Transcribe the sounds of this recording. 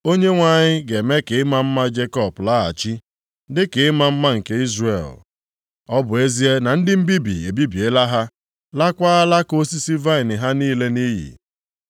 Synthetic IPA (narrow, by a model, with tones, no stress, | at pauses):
o˦ɲe˦ŋʷa˨ɲɪ˦ɡe˨me˦ke˨ɪ˦ma˦m̩˦ma˦d͡ʒe˦kɔ˦˨pla˦a̰˨t͡ʃi˦ | dɪ˦ke˨ɪ˦ma˦m̩˦ma˦ŋ̩˨ke˦i˦zrḛ˨l | ɔ˦bʊ˨e˦zi˦e˦na˨n̩˦dɪ˦m̩˦bi˦bḭ˨e˨bi˦bi˨e˦la˦ɦa˦ | la˦kʷaː˦a˦la˦ko˦si˦si˦va˦ɪ˨nɪ˨ɦa˦niː˦le˦ni˦ɦḭ˨